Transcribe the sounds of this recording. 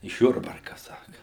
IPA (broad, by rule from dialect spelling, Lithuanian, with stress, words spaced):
ɪʃ ˈjʊrbɐrkɐ ˈsɑːkɐ